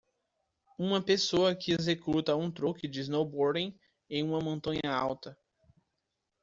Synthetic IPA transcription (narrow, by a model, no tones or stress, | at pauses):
ũmɐpesoɐkɪezekut̪ɐũt̪ɾukɪd͡ʒɪznowboɾd̪ẽ | ẽj̃ũmɐmõnt̪ɐ̃ɲɐawt̪ɐ